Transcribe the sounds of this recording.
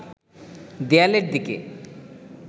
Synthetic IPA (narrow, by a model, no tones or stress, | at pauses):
d̪ealeɾd̪ikḛ